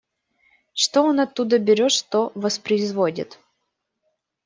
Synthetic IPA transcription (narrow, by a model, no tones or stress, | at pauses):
ʂt̪oonɐt̪ːud̪əbʲɪɾʲoʂt̪ovəspɾəɪzvodʲɪ̰t̪